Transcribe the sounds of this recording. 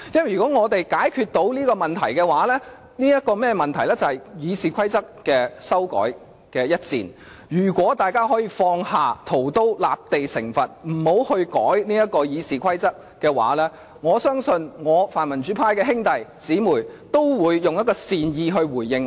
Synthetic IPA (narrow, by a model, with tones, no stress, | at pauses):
jɐ˥m˨˩jy˨˩kɔː˨˥ŋɔː˨˧t̪e˨jkaː˨˥jkʰyː˧t̚t̪o˨˥wniː˥kɔː˧mɐ˨nt̪ʰɐ˨˩jkɛː˧waː˨˥lɛː˥ | niː˥jɐ˥t̚kːɔː˧mɛː˥mɐ˨nt̪ʰɐ˨˩jlɛː˥t͡sɐ˨whɐ˨jjiː˨˧siː˨˩kʷʰɐ˥jt͡sɐ˥k̚kɛː˧sɐ˥wkɔ̰ː˨˥j | kɛː˧jɐ˥t̚t͡sḭː˨n | jyː˨˩kʷɔː˨˥t̪aː˨jkaː˥ɦɔː˨˥jiː˧fɔː˧ŋhaː˨˩t̪ʰo˨˩wt̪o˥wla̰ː˨p̚t̪e˨jsɪ̰˨˩ŋfɐ˨t̚m̩˨˩ho˨˥whɵ˧ɥkɔ̰ː˨˥jniː˥jɐ˥t̚kɔː˧jiː˨˧siː˨kʷʰɐ˥jt͡sɐ˥k̚ | kɛː˧wa̰ː˨˥lɛː˥ | ŋɔː˨˧sœː˥ŋsɵ˧nŋɔː˨˧faː˨˩nmɐ˨˩nt͡ʃyː˨˥pʰaː˧jkɛː˧ɦɪ˥ŋt̪ɐ˨jt͡siː˨˥muː˨˩jt̪o˥wwuː˨˧jːʊ˨ŋjɐ˥tkɔː˧siː˨njiː˧ɦɵ˧ɥwuː˨˩jːɪ˧ŋ